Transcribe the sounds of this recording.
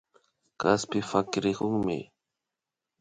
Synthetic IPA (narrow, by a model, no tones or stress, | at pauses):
kaspɪfakɾɪɢʊŋmɪ̰